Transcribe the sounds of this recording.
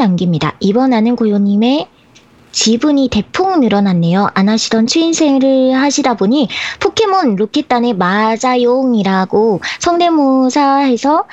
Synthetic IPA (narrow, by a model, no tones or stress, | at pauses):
aŋɡimɲida̰ibʌnanɯnkojoɲime̞ | t͡ɕibuɲite̞pʰoŋnɯɾʌnanːe̞joʔanaɕʰidʌnt͡ɕʰuinsʰe̞ŋɾɯɭhaɕʰidaboɲipʰokʰe̞monɾokʰet͈ane̞mad͡ʑajoŋiɾaɡosʰʌŋde̞mosʰaɦe̞sʰʌ